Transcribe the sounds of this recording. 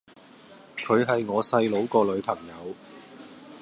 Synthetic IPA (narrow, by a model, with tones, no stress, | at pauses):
kʰɵ˨˧ɥɦɐ˨jŋɔː˨˧sɐ˧jlo˨˧wkɔː˧lɵ˨˧ɥpʰɐ˨˩ŋjɐ˨˧w